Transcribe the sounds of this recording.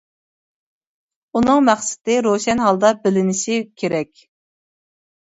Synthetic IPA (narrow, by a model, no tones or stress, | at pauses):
unɨŋmæχsɪ̥d̪ɪɾoʃɛnɦɑlˠd̪ɑbɪlɪnɪʃikʲʰeɾɛkʲ